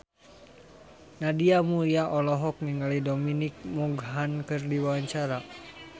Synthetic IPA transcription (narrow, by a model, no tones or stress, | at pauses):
nadiamuɾiaʔɔlɔɦɔk̚niŋalidɔminik̚muɡɦankɨrdiwawaɲt͡ʃaɾa